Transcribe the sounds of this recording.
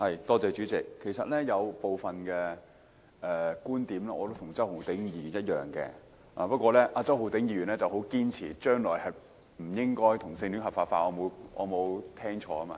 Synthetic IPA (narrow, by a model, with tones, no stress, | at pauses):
hɐ˨jt̪ɔː˥t͡sɛː˨˧t͡ʃyː˨˥t͡sɪ˨kʰːe˨˩jsɐ˨t̚lɛː˥jɐ˨˧wpo˨wfɐ˨nkɛ˧ | ɛː˨˧kuː˥nt̪iː˨˥mlɛː˥ɔː˨˧t̪o˥wt̪ʰʊ˨˩ŋt͡sɐ˥whʊ˨˩wt̪ɪ˨˥ŋjiː˧y˨˩njɐ˥t̚jœ̰ː˨˩ŋkɛ̰ː˧ | ʔa̰ː˨˩pɐ˥t̚kʷwɔː˧lɛː˥ʔaː˧t͡sɐ˥who˨˩wt̪ɪ˨˥ŋjiː˨˧jyː˨˩nɛː˥t͡sɐ˨who˨˥wkiː˥nt͡sʰiː˨˩t͡ʃœː˥ŋlɔː˨˩jhɐ˨j | m̩˨˩jɪ˥ŋkɔː˥jt̪ʰʊ˨˩ŋsɪ˧ŋt̪y˨˥ŋɦɐ˨pfaː˧tfaː˧t̚ʔɔː˨˧mo˨˧ʔɔ̰˨˧mo˨˧wt̪ʰɛː˥ŋt͡ʃʰɔː˨˧ɐ˥ma̰˧